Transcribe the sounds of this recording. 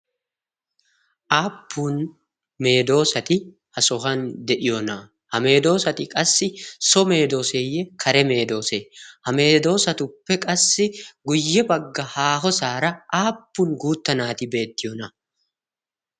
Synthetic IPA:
ʔaːpːuːn | me̞ːd̪o̞ːsɐt̪ɪ | hɐsɔɦɐnd̪ɛʔɪjoːnɐ | hɐme̞ːd̪o̞ːsɐt̪ɪkʼɐsːɪsɔme̞ːd̪o̞ːseːjɛkʰɐɾɛme̞ːd̪o̞ːsehɐme̞ːd̪o̞ːsɐt̪ʊpːɛkʼɐsːɪɡʊjːɛbɐɡːɐhaːɦɔsaːɾɐaːpːuŋɡuːt̪ːɐnaːt̪ɪbe̞ːt̪ːɪjɔːnɐ

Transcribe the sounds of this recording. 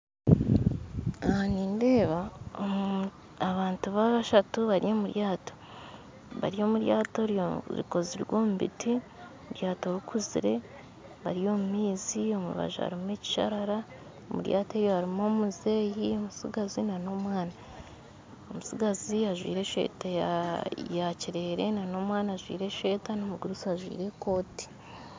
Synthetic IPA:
aniːnde̞ːβao | aβaːntuβaβaʃatuβaɾijo̞muɾjaːto̥ | βa̰ɾio̞ːmuɾjaːto̞ɾɾḭko̞ziɾɡoːmuβḭti | oomuɾjaːto̞ɾukʰuzḭɾe̞ | βa̰ɾijo̞mumiːzio̞mṵβa̰ʒa̰ha̰ɾimeːci̥ʃa̰ɾaɾa | omṵɾja̰ːte̞ːjo̞haɾimo̞ːmuze̞ːjiomusḭɡazinano̞ːmwaːna | omusiɡaziaʒwḭːɾe̞ːʃe̞̰ːta | jaciɾe̞ːɾe̞nanoːmwaːnaːʒwḭːɾe̞ʃe̞ːtanomuɡuɾusaʒwḭːɾe̞ko̞ːti̥

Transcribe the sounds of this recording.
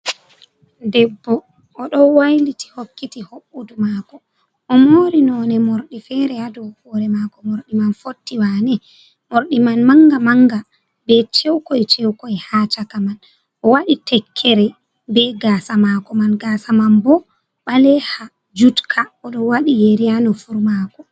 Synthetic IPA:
dɛbːɔ | ʔːɗɔwajliti̥hokːitihoɓːudumakɔ | ʔɔmoːɾinɔnɛmoɾɗifɛɾɛadɔwhɔɾɛmakɔmoɾɗimanfotːiwanɛ | moɾɗimanmaŋɡamaŋɡa | bɛt͡ʃɛwkɔjt͡ʃɛwkɔɛhat͡ʃakaman | ʔɔwaɗitɛkʰːɛɾɛ | bɛɡaːsamakɔmanɡasamanbɔ | ɓalɛha | d͡ʒutkʰaɔɗɔwaɗijeɾianɔfuɾmakɔ

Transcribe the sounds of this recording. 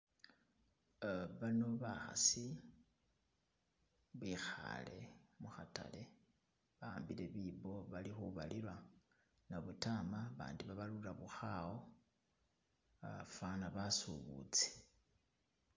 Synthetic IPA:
βano̞βaxa̰si | βwixa̰le̞̰muxata̰le̞ | βaaːmbile̞βiβo̞βalixuβalilwa | naβutamaβa̰ːndiβaβalulaβuxawo | fanaβasuβṵt͡se̥

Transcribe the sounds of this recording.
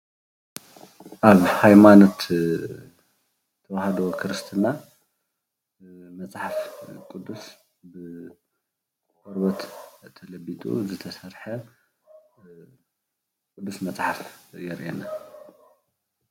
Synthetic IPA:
ʔaβhajmanot̪ | t̪ʰːɐwahɐd̪owkʰɨɾɨst̪ʰɨna | mɐt͡sʼħafkʼud̪ːus | bɨ | kɔɾbɐt̪ʰːɐlɐbit̪ʼṵzɨt̪ʰɐsɐɾħɐ | kʼud̪ːusmɐt͡sʼħafjɛɾʔena

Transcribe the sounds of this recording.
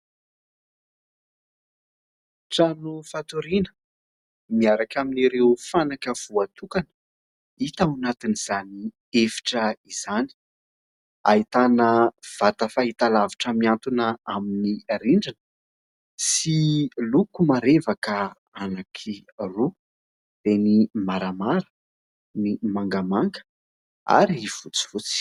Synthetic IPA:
ʈ͡ʂanufat̪uɾinə̥ | miaɾakʲaminiɾeufanakəv̥uat̪ukan | it̪anat̪iniz̥ani | efi̥ʈ͡ʂəiz̥ani̥ | a̰it̪anəv̥at̪əfaɦit̪alaviʈ͡ʂəmiant̪unəaminiɾiɳɖ͡ʐinə | silukumaɾevakə | anakʰiru | d̪̥enimaɾamaɾə | nimaŋɡəmaŋɡə̥ | a̰ɾiv̥ut͡si̥v̥ut͡si̥

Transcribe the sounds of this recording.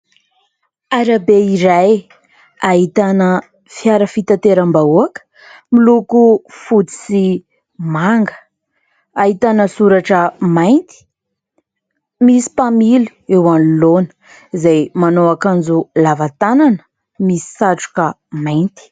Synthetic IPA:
aɾabeiɾaj | aɦit̪anə | fjaɾəfit̪at̪eɾambauakə̥ | milukufut͡si̥si | maŋɡə̥ | aɦit̪anəsuɾaʈ͡ʂəmajnt̪i̥ | misi̥pamili̥ewanulonə̥ | zajmanoakand͡zulavat̪ananə̥ | misi̥saʈ͡ʂu̥kə | majnt̪i̥

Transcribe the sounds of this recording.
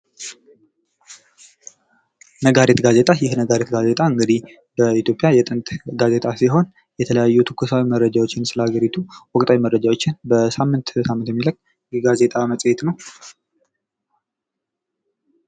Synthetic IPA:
nəɡaɾet̪ɡaze̞t̪ʼajɪhnəɡaɾet̪ɡaze̞t̪ʼaɨŋɡəd̪ih | bəit̪jo̞pʼjajɛt̪ʼɨnt̪ʼɡaze̞t̪ʼasiɦo̞n | jɛt̪ʰələjajːut̪ʰɨ̥kʰːusawimərːəd͡ʒawot͡ʃːɪnsɨləhaɡəɾit̪ʰuwɔkʼt̪ʼawimərːəd͡ʒawo̞t͡ʃːɪnbəsamːɨnt̪samːɨnt̪jɛmːiləɡ | jɛɡaze̞t̪ʼaməsʼjet̪nəw

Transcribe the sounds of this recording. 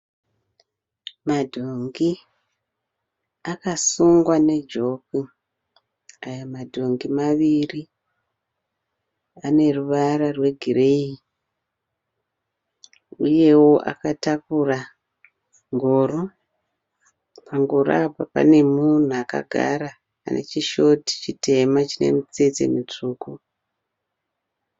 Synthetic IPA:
madʱoŋɡi | akasuŋɡwane̞d͡ʒo̞ki | ajamadʱo̞ŋɡimaʋiri | ane̞ruʋaɾarwe̞ɡʱire̞i | uje̞woʔa̰katakura | ŋɡo̞ːro | paŋɡoɾabʱapa̰ne̞mun̤uaka̰ɡʱa̰ɾa̰ː | ne̞̰t͡ʃiʃo̞ti̥t͡ʃitʰe̞mat͡ʃine̞̰mit͡sed͡zḛmit͡ʂuːku

